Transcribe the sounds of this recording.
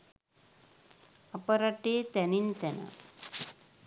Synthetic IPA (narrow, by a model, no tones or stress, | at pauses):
ɐpɐɾɐʈːeːt̪ɛnint̪ɛnɐ̰